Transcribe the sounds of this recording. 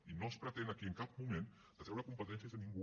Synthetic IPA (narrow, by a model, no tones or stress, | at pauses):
inospɾət̪enakiəŋkap̚mumẽn | l̥ət̪ɛwɾəkumpət̪ɛnθjəzðənĩŋɡu